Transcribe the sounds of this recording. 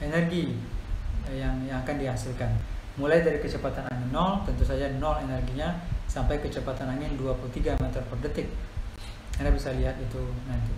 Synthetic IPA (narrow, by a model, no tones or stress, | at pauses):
ɛnɛrɡi | jaŋjaŋakandiɦasɪlkan | mulajdaɾikət͡ʃəpat̪anaŋɪnːɔlt̪ənt̪usad͡ʒanɔlenɛrɡiɲasampajkət͡ʃəpat̪anaŋɪnduapulut̪iɡamɛt̪ərpərdət̪ɪk̚ | kanabisaliɦat̪it̪unant̪i